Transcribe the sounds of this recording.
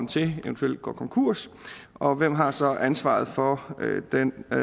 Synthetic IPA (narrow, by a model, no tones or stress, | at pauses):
n̩t͡sʰe̝eənt͡sʰuel̰d̥̚ɡ̥ɒ̰ːkʰɒ̽ŋkʰuɐ̰s | ɒ̽ʋem̰ɦɑ̈sɒ̽ʔænsʋɑ̈ð̞̩ˠfɒ̽d̥en